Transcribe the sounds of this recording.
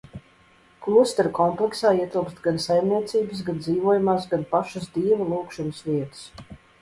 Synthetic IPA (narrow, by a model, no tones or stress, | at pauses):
klˠust̪ɛɾkɔmplˠɛksaːiɛt̪ilˠpst̪ɡansajmniɛt̪siːbɨsɡand̪ziːvuɔjumaːs̬ɡanpaʃɐsd̪iːvɐlˠuːkʃunəsʋiɛt̪ə̥s